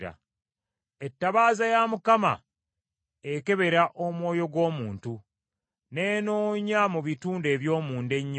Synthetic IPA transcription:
a̰ | e̞tːaβaːzajamukama̰ | eke̞βe̞ɾaʔo̞mwo̞ːjo̞ɡwo̞ːmuːntu | ne̞ːno̞ːɲamuβituːnde̞ːβjo̞ːmuːnde̞ɲː

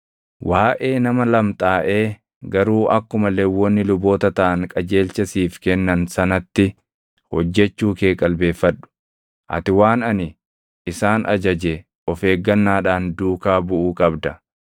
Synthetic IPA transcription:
wʔaːʔe̞ːnɐmɐlɐmt̪ʼaːʔe̞ː | ɡɐɾuːʔɐkːʊmɐleːwːɔnːɪlʊbo̞ːt̪ɐt̪ɐʔɐŋkʼɐd͡ʒe̞ːlt͡ʃɐsiːfkɛnːɐnsɐnɐt̪ːɪ | hɔd͡ʒːɛt͡ʃːuːke̞ːkʼɐlbe̞ːfːɐᶑʊ̥ | ʔɐ̰t̪ɪwaːnɐnɪ | ɪsaːnʔɐd͡ʒɐd͡ʒɛ | ɔfe̞ːɡːɐnːaːᶑaːnd̪uːkaːbʊʔuːkʼɐbd̪ɐ

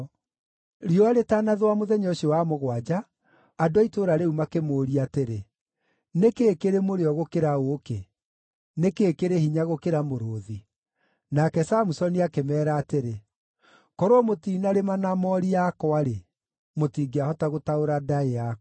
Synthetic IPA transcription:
ɾiɔaɾetanaðwamoðɛɲɔʃwamoɣwad͡ʒaː | doaitoːɾaɾeumakemoːɾiateɾe | nekeːkeɾemoɾeɔɣokeɾaoːke | nekeːkeɾehiɲaɣokeɾamoɾoːði | nakɛsamusɔniakemɛːɾaːteɾe | kɔɾoɔmotiːnaɾemanamɔɾiakɔaɾe | motiːɡeahɔtaɣotaoɾadaea

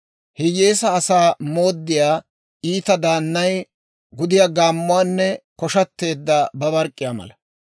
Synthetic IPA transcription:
hɪjeːsɐːsaːmoːd̪ːɪjaː | iːt̪ɐd̪aːnːɐj | ɡʊd̪ɪjaːɡaːmːʊwaːnːɛkɔʃɐt̪ːe̞ːd̪ːɐbɐbɐɾkʼːɪjaːmɐ̰lɐ

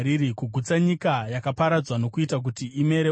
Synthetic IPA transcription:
ɾiɾikuɡʱut͡saɲikajakapaɾad͡zwano̞kuitak̬utiime̞ɾe

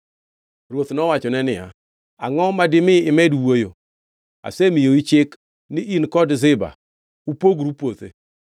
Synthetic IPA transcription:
ɾwot̪nɔwat͡ʃɔnɛnɪa̰ | a̰ŋɔmadɪmɪɪmɛdwojo | a̰semijoit͡ʃɪk | nɪʔinkɔdzɪba̰ | upoɡɾupot̪ḛ

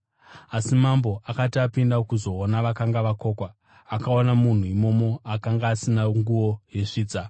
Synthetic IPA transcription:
asimamboʔakatiapindakuzo̞ːnaʋakaŋɡaʋako̞ːkwa | akaonamun̤uimo̞mo̞akaŋɡaːsinaŋɡuʋo̞je̞ʂiːt͡sa

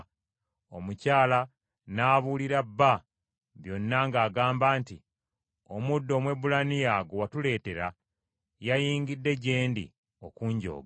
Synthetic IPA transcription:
o̞̰mucaːla | naːβuliɾabːa | βjo̞nːaŋɡaːɡaːmbaːntḭ | o̞mudːo̞ːmwe̞bulanijaɡowatule̞ːte̞ɾa | jajiːŋɡidːe̞ɟe̞ːndḭ | o̞kuɲɟo̰ːɡa

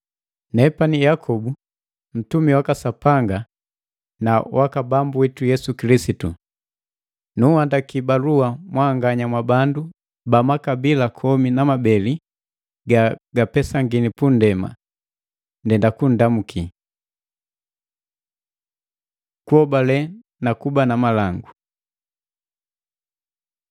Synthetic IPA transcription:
nɛpanijakʰɔbu | m̩tumiwakasapaŋɡa | nawakabambuwitujɛsukilisitṵ | nuhandakibaluamwaːŋɡaɲamwabandu | bamakabilakʰɔminamabɛli | ɡaɡ̥apɛsaŋɡinipundɛma̰ | ndɛndakun̩damukʰi | kuɔbalɛ | nakubanamalaŋɡu

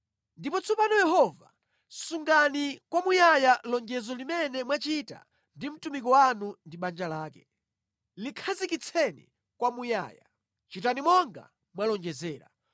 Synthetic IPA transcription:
ndipɔt͡sʰɔpanɔjɛɦɔva̰ | suŋɡanikwamujajalɔŋɡɛzɔlimɛnɛmwat͡ʃita̰ | ndim̩tumik̬ɔwanundiɓand͡ʒalaːkɛ̥ | likʰazikit͡sʰɛnḭ | kwamuja̰ːja | t͡ʃitanimɔŋɡa̰ | mwalɔŋɡɛzɛːɾa̰

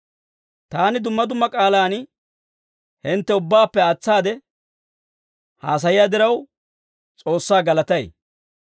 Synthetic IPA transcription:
t̪aːnɪd̪ʊmːɐd̪ʊmːɐkʼaːlaːn | hɪnt̪ːɛʊbːaːpːɛat͡sːaːd̪ɛ | ha̰ːs̬ɐjɪjaːd̪ɪɾɐw | t͡sʼo̞ːsːaːɡɐlɐt̪ɐj

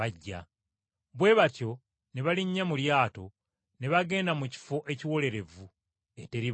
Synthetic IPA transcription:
aɟːa̰ | βwe̞βatjo̞ | ne̞βaliɲːamuljaːto̞ | ne̞βaɡe̞ːndamuci̥fo̞ʔe̞ciwo̞le̞ɾe̞vu | e̞te̞ɾi

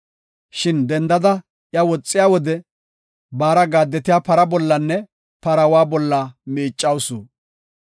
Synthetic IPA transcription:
ʃɪnd̪ɛnd̪ɐd̪ɐ | ʔjɐwɔt͡sʼːɪjaːwɔd̪ɛ | baːɾɐɡaːd̪ːɛt̪ɪjaːpɐɾɐbɔlːɐnːɛ | pɐɾɐwaːbɔlːɐmiːt͡ʃʼːɐwsuː

